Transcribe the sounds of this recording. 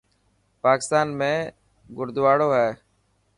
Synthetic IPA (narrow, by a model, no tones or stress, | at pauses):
paːkɪst̪aːnmẽː | ɡʊɾd̪ʊʋaːɽoːɦɛː